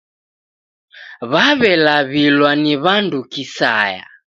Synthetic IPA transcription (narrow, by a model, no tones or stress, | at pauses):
βaβɛlaβilwaniβandukisa̰ja̰